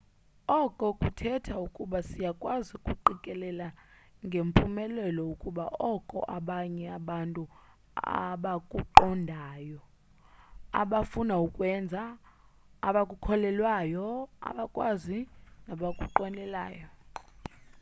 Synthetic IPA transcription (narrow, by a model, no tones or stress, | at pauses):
ɔkʼɔkʼutʰɛtʰaukʼuɓasijakʼwazikʼuǃikʼɛlɛlaŋɡʱempʰʼumɛlɛlɔukʼuɓaʔɔkʼɔ̰ʔaɓaɲɛaɓantʼu | a̰ɓakʼuǃɔndʱaːjɔ | a̰ɓafunaukʼwɛnd͡zʱaː | ɓakʼukʰɔlɛlwajɔa̰ɓakʼwazinaɓakʼuǃɔnɛla̰ːjɔ